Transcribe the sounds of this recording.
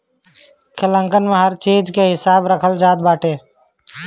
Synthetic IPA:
kʰɪlə̃ŋkənməɦəɾt͡ʃeːd͡ʒkeɦɪsaːbɾəkʰəld͡ʒaːd̪̚baːʈeː

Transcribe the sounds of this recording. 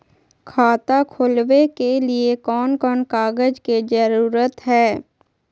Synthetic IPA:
kʰaːt̪akʰoːlwekeliekɔːnkɔːnkaːɡəd͡ʒked͡ʒəɾuːɾət̪ɦɛː

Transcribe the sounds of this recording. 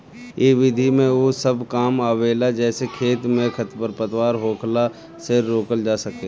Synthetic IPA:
eʋɪd̪ʱimẽoːsəbkaːmaːʋeːlad͡ʒɛːsekʰeːt̪mẽkʰət̪pəɾpət̪waːɾɦoːkʰla | sɪɾːoːkəld͡ʒaːsɐkeː

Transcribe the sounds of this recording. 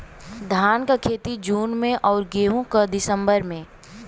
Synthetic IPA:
d̪ʱaːnkakʰeːt̪id͡ʒuːnmẽʔɔːɾɡeːɦũkad̪ɪsə̃mbəɾmẽː

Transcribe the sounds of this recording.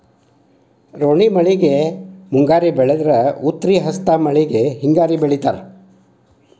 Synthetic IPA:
ɾoɳimɐɭiɡemuŋɡaːɾibɛɭed̪ɐɾɐut̪ːɾiɦɐst̪amɐɭiɡeɦiŋɡaːɾibeɭit̪a̰ːɾ

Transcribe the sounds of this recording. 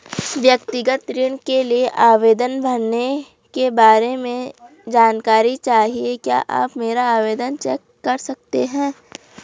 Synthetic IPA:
ɪʋjəkt̪ɪɡət̪ɾɪɳ̃kelieʔaːʋeːd̪ənbʱɐɾne | kebaːɾemẽ | d͡ʒaːnkaːɾit͡ʃaːɦiekja̰ːʔa̰ːpmeːɾaaːʋeːd̪ənt͡ʃɛːkːɐɾsɐk̚t̪eɦɛ̃ː

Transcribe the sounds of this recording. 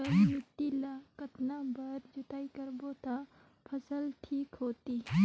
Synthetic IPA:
əjut̪ilakət̪nabəɾd͡ʒʊt̪aːikəɾbot̪a | pʰəsəlʈʰiːkɦoːt̪i

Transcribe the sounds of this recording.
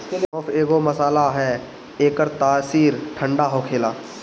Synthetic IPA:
ɔːfʰeːɡoməsaːlaɦɛː | eːkəɾt̪aːsiːɾʈʰə̃ɳɖaɦoːkʰeːlaː

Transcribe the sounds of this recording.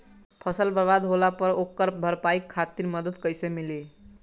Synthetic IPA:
pʰəsəlbəɾbad̪ɦolapəɾokːəɾpbʱəɾpaikʰːat̪iɾməd̪əd̪kəjsemile

